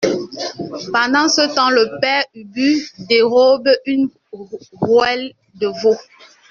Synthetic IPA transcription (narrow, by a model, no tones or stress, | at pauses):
pɑ̃dɑ̃sətɑ̃ləpɛybydeʁɔbyn | ʁwɛl | dəvo